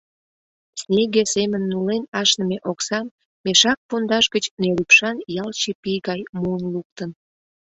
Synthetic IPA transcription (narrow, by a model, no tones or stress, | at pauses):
snʲeɣesemənːulenɑʃnəmeʔoksɑmː | eʃɑk̚pond̪ɑʃɡət͡ɕnelypʃɑnjɑlt͡ɕepijɣɑjmuənluk̚t̪ən